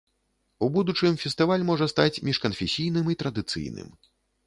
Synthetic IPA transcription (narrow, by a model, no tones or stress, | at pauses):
ubud̪ut͡ʂɨmfʲɛst̪ɨvalʲmɔʐɐst̪at͡sʲmʲiʂkɐnfʲesʲijnɨmit̪ɾɐd̪ɨt̪sɨ̰jnɨ̰m